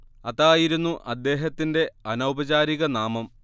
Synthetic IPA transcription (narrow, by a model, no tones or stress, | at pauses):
ɐðaːjiɾunːuʔɐd̪ːe̞ːɦɐt̪ːinde̞ɐnɐwbɐd͡ʑaːɾiɣɐnaːmɐm